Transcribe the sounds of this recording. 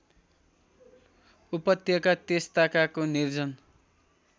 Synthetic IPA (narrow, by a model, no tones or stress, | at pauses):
upʌt̪jʌkat̪est̪akakonird͡zʌn